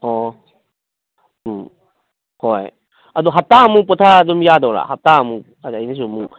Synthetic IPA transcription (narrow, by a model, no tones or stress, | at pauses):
hɔ | hɔj | adɔɦap̚tamupɔtʰadɔmjadawɾa̰ɦap̚tamu | aajnis̬umu